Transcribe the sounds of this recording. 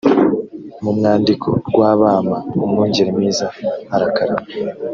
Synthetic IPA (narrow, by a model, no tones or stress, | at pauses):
mumŋaːndikʰo̞̰ɡ̥waːβaːmaomŋuːɲɟeɾimiːzahaɾakaɾa